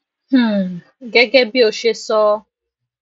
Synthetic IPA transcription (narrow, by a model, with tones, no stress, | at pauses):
h̩˦˨ | ɡe˦ɡe˦bi˦o˨ʃe˦sɔː˦